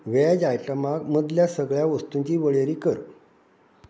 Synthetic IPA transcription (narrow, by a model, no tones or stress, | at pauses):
ʋɛd͡ʑajʈəmaɡməd̪ljasəɡɭjaʋəst̪uɲt͡ɕiːʋəɭeɾiːkəɾ